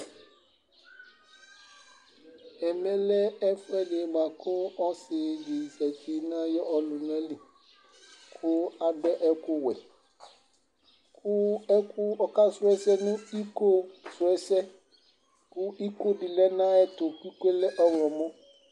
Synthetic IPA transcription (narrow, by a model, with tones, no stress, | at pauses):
ɛ˨mɛ̃˦lɛ˦ɛ˦fɛ˦le˨mã˨kʊ˦ɔ˦sɪ˨d͡ʒi˨sɛ˨t͡ʃi˨˦nã˦jɔ˦ɔ˨lu˨n˦ɛ˦li˨ | kʰu˦a˨ɖɛ˦ʔɛ˦ku˦wɛ˨ | ku˦ɛ˦ku˦ɔ˨ka˦sʊ˦ɛ˦sɛ˦nũ˦i˦ko˦sʊ˨ɛ˦sɛ˦ | ku˦i˦ko˦ɖɪ˨lɛ˦nã˦ɛ˦t̪o˨ku˦i˦ke˦lɛ˦ʔɔ˦wlɔ˨mɔ̃˦